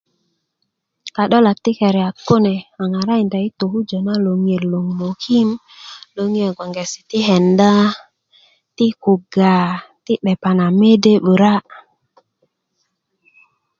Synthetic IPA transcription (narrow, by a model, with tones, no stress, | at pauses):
ka˨ɗɔ˦la˨k̚t̪i˦ke˨ɾɛ˨a˨kːo˦ne˨a˨ŋa˨ɾa˦i˨nda˨i˦t̪o˨hu˦d͡ʒo˨na˦lo˨ŋ˨e˨llo˨ŋmo˨ki˦m | lo˨ŋ˦e˨ɡo˨ŋɡe˨si̥˨t̪i˦ɦe˨nda˦ | ti˦ku˨ɡa˨ti˦ɓe˨pa˨na˨me˦de˦ɓu˨ɾa˦